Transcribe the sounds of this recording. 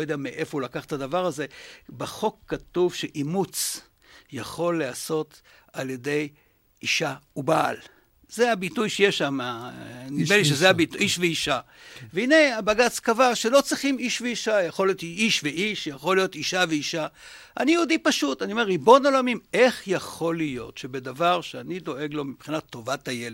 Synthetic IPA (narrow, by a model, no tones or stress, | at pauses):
ojod̪eameʔe̞foulakaχt̪adavaʁaze̞beχo̞kːatuvʃe̞ʔimut͡s | jaχo̞lːeaso̞t | alje̞de̞j | ʔiʃauba̰ːl | z̥eabitujʃejeʃamanimeliʃezeabiiʃveiʃa | veine̞abaɡat͡skavaʃe̞lo̞t͡sʁiχimiʃveiʃajaχolijotiʃveiʃjaχo̞lijo̞tiʃaveiʃa | ʔanijeudipaʃutaniome̞ʁːibo̞nolomime̞χjaχo̞lijo̞̰tʃe̞be̞davaʁʃeanido̞ʔe̞ɡlo̞mipχinat̪ːo̞vatajele